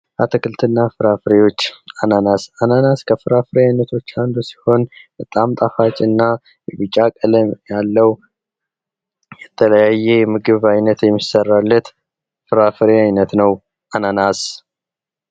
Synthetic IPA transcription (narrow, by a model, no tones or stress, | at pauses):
ʔat̪ʰəkɨlt̪ʰɨnːafɨɾafɨɾewo̞t͡ʃːananasananaskʰəfɨɾafɨɾejajnət̪ʰo̞t͡ʃːand̪usi̥ho̞nbət̪ʼamt̪ʼafat͡ʃʼɨnːa | jɛβɨt͡ʃʼakʼələmjalːəw | jɛt̪ʰələjajːɛjɛmɨɡɨβajnət̪jɛmːisərːalːət̪ | fɨɾafɨɾeajnət̪nəw | ʔananas